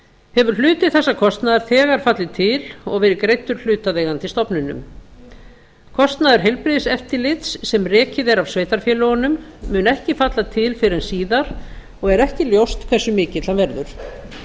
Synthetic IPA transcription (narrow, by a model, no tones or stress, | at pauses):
hɛvʏɾ̥l̥ʏːt̪ɪðθɛsːakʰɔst̪naðaɾ̥θɛːɣaɾ̥fat̪lɪt̪ʰɪlɔɣvɛːɾɪkɾejt̪ːʏɾ̥l̥ʏːt̪aðeːjɣant̪ɪst̪ɔpnʏnʏ̰m | kʰɔst̪naðɪɾ̥ɦejlpɾɪðɪsɛft̪ɪlɪt̪sːɛmrɛːcɪðɛɾavsveːjt̪aɾ̥fjɛːlɔanʏmːʏːnɛhcɪfat̪lat̪ʰɪlfɪɾɪɛnsiːðaɾ̥ | ɔɣɛɾɛhcɪljowst̪kʰvɛsːʏmɪːcɪt̪lamvɛɾðʏɾ̥